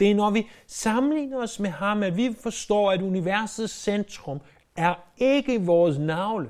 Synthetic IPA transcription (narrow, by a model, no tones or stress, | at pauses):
d̥e̝ɐnɒʋisɑ̈mn̩linɐɒsmeɦɑ̈mæʋifɒ̽sd̥ɒ̰ːæd̥uniʋæɐsð̩ˠsend̥ʰʁɔ̽m | æɐe̝ɡ̥əiʋɒːsnɑ̈ʊlə